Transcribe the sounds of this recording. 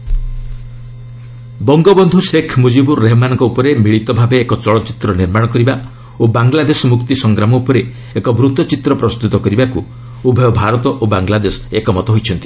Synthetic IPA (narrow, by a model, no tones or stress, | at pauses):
bɔŋɡɔbɔnd̪ʱusekʰmud͡ʒibuːeɦɔmanɔŋkɔupɔɾemiɭit̪ɔbʱabeːkɔt͡ʃɔɭɔt͡ʃi̥t̪ɾɔniɾmaɽɔkɔɾiba | obaŋlad̪esɔmukt̪isɔŋɡɾamɔupɔɾe | ekɔbɾut̪ɔt͡ʃit̪ɾɔpɾɔst̪ut̪ɔkɔɾibaku | ubʱɔjɔbʱaɾɔt̪ɔʔobaŋlad̪esɔ̥ekɔmɔt̪ɔɦojt͡ʃʰɔnt̪i̥